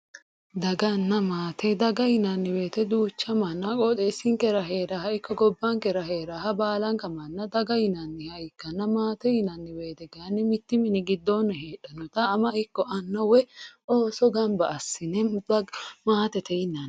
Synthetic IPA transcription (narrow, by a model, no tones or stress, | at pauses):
d̪ɐɡɐnːɐmaːt̪ʰɛd̪ɐɡɐɪnɐnːɪwe̞ːt̪ɛd̪uːt͡ʃːɐmɐnːɐkʼɔt̪ʼɛsːɪŋkɛɾɐɦeːɾahɐɪkːɔɡɔbːɐŋkɛɾɐhe̞ːɾahɐbaːlɐŋkɐmɐnːɐd̪ɐɡɐjɪnɐnːɪhɐjɪkːɐnːɐmaːt̪ɛhɪnɐnːɪwe̞ːt̪ɛɡanːɪmɪt̪ːɪmɪnɪɡɪd̪ːonːɛheːᶑɐnɔt̪ɐːmɐɪkːɔʔɐnːɐwɛoːsɔɡɐmbɐːsːɪnɛ | maːt̪ɛt̪ɛɪnːɐn